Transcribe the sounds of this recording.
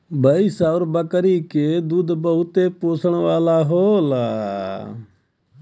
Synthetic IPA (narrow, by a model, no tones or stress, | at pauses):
bʱəisaːʊɾbəkəɾiːked̪uːd̪bəɦʊt̪eːpoːsəɽ̃ʋaːlaːɦoːlaː